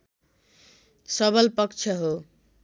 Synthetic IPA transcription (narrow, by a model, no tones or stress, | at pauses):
sʌbʌlpʌkt͡ʃʰʌɦo